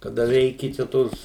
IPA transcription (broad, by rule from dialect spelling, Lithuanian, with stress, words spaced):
kɐˈdɐ ˈʋʲɛɪkʲɪ t͡ʃʲɛ ˈtoːs